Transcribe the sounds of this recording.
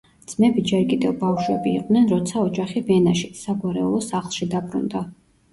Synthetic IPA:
d̪z̥mɛbid͡ʒɛɾkʼid̪ɛvbafʃwɛbḭːqʼnɛnɾɔt̪sʰaɔd͡ʒaχibɛnaʃisaɡwaɾɛ̰ulˠɔsaχlˠʃid̪abɾṵnd̪a

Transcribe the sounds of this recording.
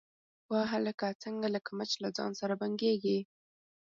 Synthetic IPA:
waɦaləkat͡səŋɡalakamat͡ʃlazɑ̰nsaɾabaŋɡeɡi

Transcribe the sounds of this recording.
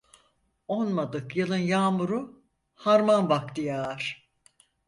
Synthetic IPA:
onmad̪ɯkjɯlˠɯnjaːmuɾu | haɾmanbak̚t̪ijaːɾ̥

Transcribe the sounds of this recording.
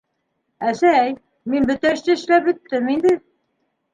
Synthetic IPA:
æsææj | minbɵ̆t̪æɘ̆ʃt̪ɘɘ̆ʃlæpbɵ̆t̪ːɘmind̪ɘ

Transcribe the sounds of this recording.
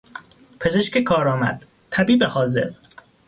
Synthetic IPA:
pʰe̞zeʃkekʰɒːɾɒːmæ̰d̪̥̚ | t̪ʰæbiːbehɒːze̞̰ɾ

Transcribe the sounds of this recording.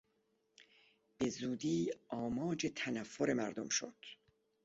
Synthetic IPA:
b̥e̞zuːd̪iːɒːmɒːd͡ʒet̪ʰænæfːoɾe̞mæɾd̪omʃo̰d̪̥

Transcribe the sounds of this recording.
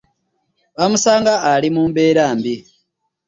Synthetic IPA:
βamusaːŋɡaːlimuːmbe̞ːɾaːmbi

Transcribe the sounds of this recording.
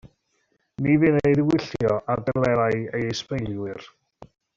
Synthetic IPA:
nivɨnejðwɪɬjjɔʔardɛɡlˠɛɾajejejspejlˠwɪr

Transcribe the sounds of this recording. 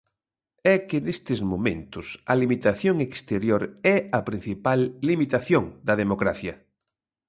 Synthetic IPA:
ɛkɪnest̪ɪzmomḛ̃nt̪ʊsɐlimit̪aθjoŋekst̪eɾjoɾɛɐpɾĩn̟θipalːimit̪aθjoŋd̪ɐðemokɾaθjɐ

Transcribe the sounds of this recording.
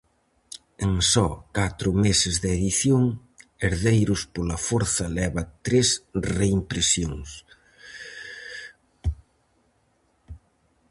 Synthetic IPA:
eŋsɔkat̪ɾʊmesɪzðeðiθjoŋ | eɾðejɾʊspolɐfoɾθɐlɛβɐt̪ɾesreimpɾesjoŋs

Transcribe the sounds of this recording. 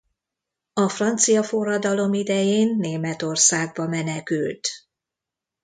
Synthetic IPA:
ɒfrɒnt̪sijɒforːɒd̪ɒlo̞mid̪ɛjeːnːeːmɛt̪o̞rsaːɡ̚bɒmɛnɛkylt̪

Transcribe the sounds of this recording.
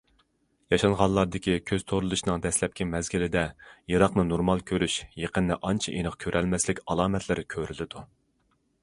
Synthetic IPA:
jɑʃɑnʁɑlˠɑɾd̪ɪkʲikʲʰøz̥t̪ʰoɾɨlˠuʃnɨŋd̪ɛslɛp̚kʲʰimɛzɡʲilɪd̪ɛjɑɾɑqnɨnoɾmɑlˠkʲʰøɾyʃjeqənd̪ɛʔɑnt͡ʃʰɛʔenəqkʲʰøɾʔɛlmɛslɪkʲɑlˠɑːmɛt̪ʰlɪɾɪkʲʰøɾylɪd̪u

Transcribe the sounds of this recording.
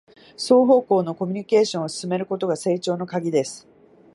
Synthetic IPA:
so̞ːɦo̞ːko̞ːno̞ko̞mʲiɲ̟ike̞ːɕõɰ̃osɨ̥sɨme̞ɾɯ̟ko̞t̪o̞ɡase̞ːt͡ɕo̞ːno̞kaɡʲid̪e̞sɨ̥

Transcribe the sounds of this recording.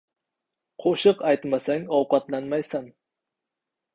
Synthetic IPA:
qʰoʃɨqajt̪masaŋɒwqɑt̪lanmajsan

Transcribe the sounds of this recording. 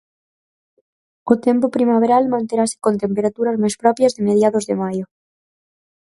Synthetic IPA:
ot̪empopɾimaβ̞eɾalmãnt̪eɾase̥kont̪empeɾat̪uɾazmajspɾɔpjazðemeðjaðozðemajo

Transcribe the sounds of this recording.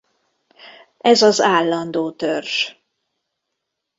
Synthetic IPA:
ʔɛzɒzaːlːɒnd̪oːt̪ørʃ

